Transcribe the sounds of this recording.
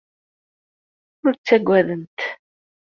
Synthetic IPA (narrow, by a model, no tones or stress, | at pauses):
ʊðt͡sːæɡʷːæðənt̪